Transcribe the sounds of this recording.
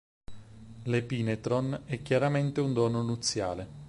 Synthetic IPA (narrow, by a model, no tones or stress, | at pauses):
lepiːnet̪ɾonɛkːjaɾament̪eund̪ɔːnonut̪sːja̰ːle